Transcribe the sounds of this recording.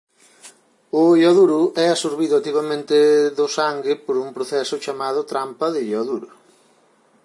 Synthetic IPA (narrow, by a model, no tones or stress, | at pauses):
ʊʎɔðuɾʊʔɛasuɾβ̞iðʊat̪iβamẽnt̪ɪðʊsaŋɡɪpoɾuŋpɾoθɛsʊt͡ʃamað̞ʊt̪ɾampɐðɪʎɔðuɾʊ